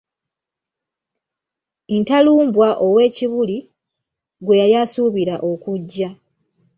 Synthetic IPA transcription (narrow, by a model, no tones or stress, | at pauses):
entaluːmbwaʔo̞we̞ːciβuli | ɡwe̞jaljasuβiɾaʔo̞kuɟːa